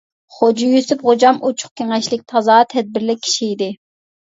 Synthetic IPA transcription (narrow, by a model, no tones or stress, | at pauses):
χod͡ʒijysypχod͡ʒɑmʔot͡ʃʰʊ̥χ̚kʲʰeŋɛʃlɪk̚ʲt̪ʰɑzɑːt̪ʰɛd̪̚bɪɾlɪkʲʰi̥ʃiid̪ɪ